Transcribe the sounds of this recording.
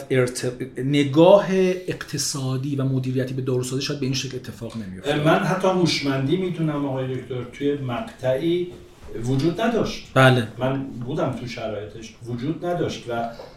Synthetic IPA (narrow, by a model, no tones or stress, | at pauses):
eɾt̪ʰene̞ɡɒːɦeːqt̪ʰesɒːd̪iːvæmod̪iːɾijæt̪ʰiːbe̞d̪ɒːɾusɒːziːʃɔjæd̪̚beinʃecʰle̞t̪ʰːe̞fɒːʁne̞mijomænɦæt̪ʰːɒːmuʃmænd̪iːmiːt̪unæmɒɣɒːjed̪okʰt̪ʰoɾt̪ʰujemæqt̪ʰæʔiː | vod͡ʒuːd̪næd̪ɒʃt̪b̥æːlemænbuːd̪æmt̪ʰuʃæɾɒːjet̪ʰeʃvod͡ʒuːd̪næd̪ɒʃt̪væ